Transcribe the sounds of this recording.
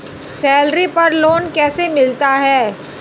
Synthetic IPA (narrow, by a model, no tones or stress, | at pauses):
sɛːlɾipɐɾloːnkɛːsemɪlt̪aɦɛː